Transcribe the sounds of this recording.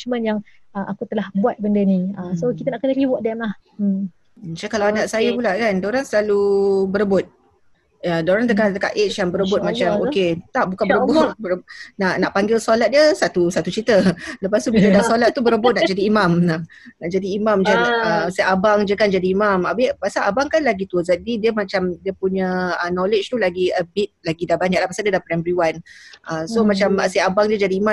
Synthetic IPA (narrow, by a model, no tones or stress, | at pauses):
t͡ʃmə̃njaŋ | əʔakut̪əlahbuat̪̚bəndəniəsokit̪anaʔkənəɾiwɔʔ̚dɛmlah | t͡ʃakalawadaʔsajapulaʔkandoɾaŋsəlalubəɾəbʊt̪̚ | ədoɾaŋnt̪̬əkaht̪əka̰ʔet͡ʃjaŋbəɾəbʊt̪̚mãt͡ʃamoket̪aʔbukanbəɾbʊt̪̚bəɾbnaʔnaʔpaŋɡɪlsolat̪̚diəsat̪usat̪ut͡ʃit̪ələpast̪ubilədasolat̪̚ːubəɾəbʊʔ̪naʔd͡ʒadiːmamna | naʔd͡ʒadiːmamd͡ʒanəsəʔabaŋd͡ʒəkand͡ʒadiːmamabipasaʔabaŋkanlaɡit̪uzadidiəmat͡ʃamdiəpuɲəənolet͡ʃt̪ulaɡiəbit̪̚laɡidahbaɲak̚lahpasadiədahpɾɛmbəɾiwanʔəsomat͡ʃaməsiabaŋdiəd͡ʒadiːma